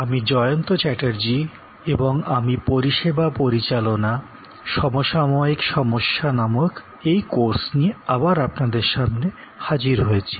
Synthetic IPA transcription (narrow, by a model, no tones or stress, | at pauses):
amid͡ʑɔjont̪ot͡ɕɛʈaɾd͡ʑi | eboŋamipoɾiʃebapoɾit͡ɕalona | ʃɔmoʃamoikʃɔmoʃːanamok | ejkoɾsnieabaɾapnad̪eɾʃamne | had͡ʑiɾɦoet͡ɕʰi̥